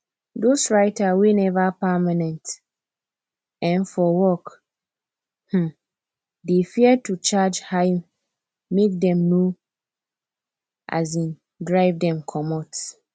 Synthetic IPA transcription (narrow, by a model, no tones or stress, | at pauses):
dosɹaɪtʰawinɛvapamãnɛ̃nt | ɛ̃nfɔwɔk | h̩ | defiɛtʰut͡ʃad͡ʒhaɪ | mek̚dɛ̃mnõ | ʔa̰z̬ĩn | dɹaɪvdɛ̃mkʰɔmɔt